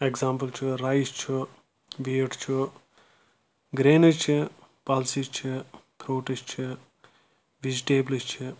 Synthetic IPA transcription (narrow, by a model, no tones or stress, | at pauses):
eɡzãːmpəlt͡ʃʰiɾajst͡ʃʰi | ʋeːʈt͡ʃʰu | ɡɾeːnɐt͡ʃʰi | palsit͡ʃʰipʰɾoːʈist͡ʃʰi | ʋid͡ʒʈeːblist͡ʃʰi